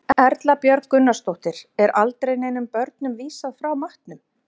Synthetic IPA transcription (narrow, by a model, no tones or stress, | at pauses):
ɛɾt̪lapjœɾkkʏnːast̪owht̪ɪɾ̥ɛɾʔalt̪ɾejnejnʏmpœɾt̪nʏmviːsaðfɾawmaht̪nʏm